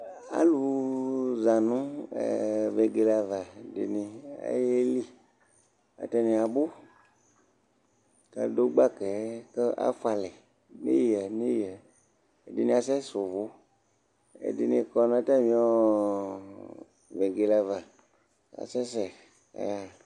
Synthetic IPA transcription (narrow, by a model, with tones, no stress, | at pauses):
a̰˨lu˨ | zã˨nṵ̃˦˨ | ve˨ɡe˨la˨va˨dḛ˨nĩ˧a̰˦je˦li˦ | a̰˨t̪ɛ˦nĩ˨a˨bo˦ | ka̰˨do˦ɡ͡ba˦kɛ˨˦kə˦ʔa̰˦fa˨lɛ˨ | nḛ˦ji˨ɛ˨nẽ˦ji˨ɛ˨ | e˨de˨nĩ˨˦a˨sɛ˦so˨vo˨˦ | ḛ˨de˨nĩ˧kɔ˧ñ˦a˦t̪a˦mĩ˦ɔ˦ | ve˨ɡe˨la˨va˨ | a̰˨sɛ˦s̬ɛ˨ | a̰˨ja˦